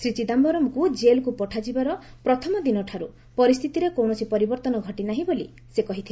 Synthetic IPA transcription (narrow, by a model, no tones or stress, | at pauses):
sɾit͡ʃid̪ambɔɾɔmkud͡ʒelkupɔʈʰad͡ʒibaɾɔ | pɾɔt̪ʰɔmɔd̪inɔʈʰaɾu | pɔɾist̪ʰit̪iɾekowɳɔsipɔɾibɔɾt̪ɔnɔɡʱɔʈinaɦĩbolḭ | sekɔɦit̪ʰie